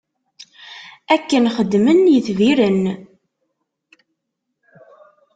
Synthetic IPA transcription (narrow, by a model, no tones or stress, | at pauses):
ækːənχəd̪ːmənjəθviɾən